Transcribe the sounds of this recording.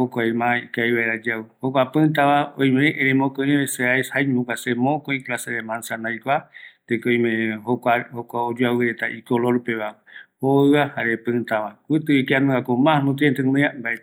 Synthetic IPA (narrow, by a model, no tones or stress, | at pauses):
hokʷajmãikajβaeɾad͡ʒaɨhokʷapɨ̃t̪aβaõj̃mẽʔẽɾemõkõẽβeseajshajɲukasemõkõĩklaseɾemãnsãnajkʷat̪ekoj̃mẽhokahokʷaod͡ʒuawɨɾet̪aʔikoloɾpeβa | hoɨahaɾepɨ̃t̪aβakʷɨt̪ɨikeãnɨ̃akomãnũt̪̬eent̪ɨmɨambaet̪